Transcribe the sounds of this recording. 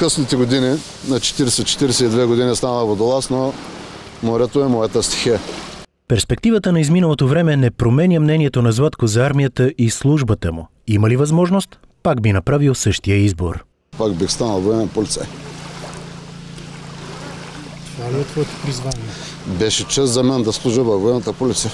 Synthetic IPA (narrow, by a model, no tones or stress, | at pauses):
kəsnit̪ɛɡod̪ini | nɐt͡ʃɛ̥t̪iɾɛsɛt͡ʃɛ̥t̪iɾɛsɛid̪vɛɡod̪inʲist̪anəəvod̪olˠasno | moɾɛt̪oɛmɔɛt̪əst̪i̥xɛ | pɛɾspɛk̚t̪ivət̪ənɐizminəlˠot̪ovɾɛmɛnɛpɾomɛnʲjəmnɛniɛt̪onɐzvat̪kozɐaɾmijət̪əʔislˠuʒbət̪əmṵ | imɐlivɐzmɔʒnost̪ | paɡbinɐpɾavilˠsɤʃt̪ijəizbo̰ɾ | pakbixst̪anəlˠvoɛmɛnpolit̪sɛ | aliot̪vɔɛt̪o̥pɾizvaniɛ | bɛʃɛt͡ʃɛst̪zɐmɛnd̪ɐslˠuʒəvɐvoɛnət̪əpolit̪sɛ